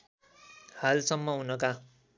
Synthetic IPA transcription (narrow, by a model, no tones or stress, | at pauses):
halsʌmːʌɦunʌka